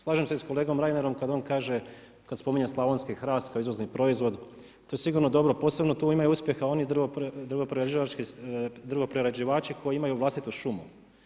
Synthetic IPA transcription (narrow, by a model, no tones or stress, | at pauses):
slˠaːʒemsesko̞le̞ːɡo̞mɾajneɾo̞mkad̪oːnkaːʒe | kad̪spo̞miɲeslˠaʋonskixɾaːst̪kaoizʋo̞znipɾo̞izʋo̞d̪ | t̪ojesiɡuɾnod̪o̞bɾopo̞ːse̞bnot̪uːimajuuspʲje̞xao̞nid̪rod̪ɾrɣopɾeɾed͡ʒiʋat͡ʃkid̪rɣo̞pɾeɾed͡ʒiʋaːt͡ʃikʰo̞jiimajuʋlast̪it̪uʃumu